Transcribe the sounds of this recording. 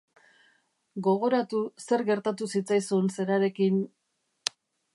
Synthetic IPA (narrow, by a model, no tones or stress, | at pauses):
ɡo̞ɣ̞o̞ɾat̪use̞ɾɣe̞ɾt̪at̪usit͡sajsunse̞ɾaɾe̞kin